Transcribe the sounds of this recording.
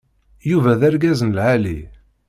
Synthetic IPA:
juvæðæɾɡæzənlʕalḭ

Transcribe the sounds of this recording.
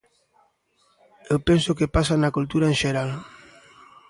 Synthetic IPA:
ewpensokepasanakult̪uɾaenʃeɾal

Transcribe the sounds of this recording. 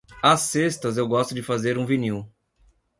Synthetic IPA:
ɐsest̪ɐzewɡɔst̪ʊd͡ʒɪfazeɾũviniw

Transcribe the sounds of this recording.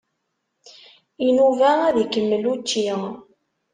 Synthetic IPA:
inuvææðikəmːəlut͡ʃːi

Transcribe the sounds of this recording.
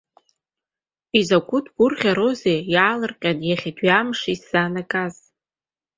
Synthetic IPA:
izakʷʊtʰʼɡ̥ʷʊrχʲaɾo̞zejaːlɨrqʲʼanjaχʲadʰɥamʂaisːanakʼaz

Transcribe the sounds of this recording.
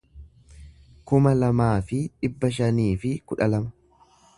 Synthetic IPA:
kʊmɐlɐmaːfɪᶑɪbːɐʃ̬ɐniːfɪkʊᶑɐlɐmɐ̥

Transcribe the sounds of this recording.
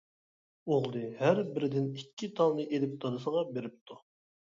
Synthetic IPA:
oʁlˠɨhæɾbɪɾɪd̪ɪnikʲʰːit̪ʰɑnlɨʔelɪp̚t̪ʰod̪ɨsəʁɑbeɾɪp̚t̪ʰu

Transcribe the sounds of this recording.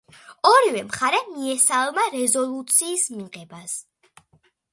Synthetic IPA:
ɔɾivɛmχaɾɛmiɛsalˠmaɾɛzɔlˠut̪sʰiːsmiqɛbas

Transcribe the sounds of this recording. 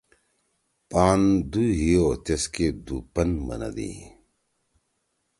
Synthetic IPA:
paːnd̪uɦiot̪esked̪uːpɐnmɐ̰nɐ̰d̪ḭ

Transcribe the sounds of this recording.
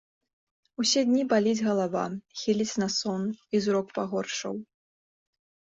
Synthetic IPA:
usʲɛd̪ʲnʲibalʲid͡zʲɣɐlˠava̰xʲilʲit͡sʲnɐsɔnizɾɔkpaɣɔrʂɐ̰w

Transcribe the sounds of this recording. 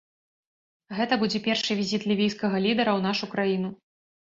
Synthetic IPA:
ɣɛt̪ɐbud͡zʲɛpʲɛrʂɨvʲizʲit̪lʲivʲijskɐɣɐlʲid̪ɐɾɐwn̪aʂukɾajinu

